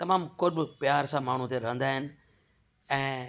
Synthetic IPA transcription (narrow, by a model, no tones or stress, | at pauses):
t̪ɐmaːmkoːɾbɪpjaːɾsãmaːɳ̤ũt̪ʰeɾɐɦə̃nd̪aːɦɪnɪ̆ | ɛ̃ː